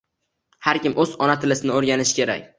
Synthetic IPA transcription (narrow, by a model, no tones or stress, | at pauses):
haɾkʲɪmʔɵzɒnat̪ʰɪlɪsɪnɪoɾɡʲanɪʃɪ̥kʲʰe̞ɾa̰k̚ʲ